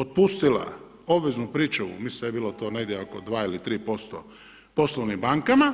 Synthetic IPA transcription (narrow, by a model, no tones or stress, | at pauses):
ot̪̚pust̪ila̰ | o̞bʋeznupɾiːt͡ʃuṵmisjebiːlot̪o̞ːneɡd̪ʲjeokod̪ʋaːilit̪ɾiːpo̞st̪o̰ | po̞sloʋnimbaŋkama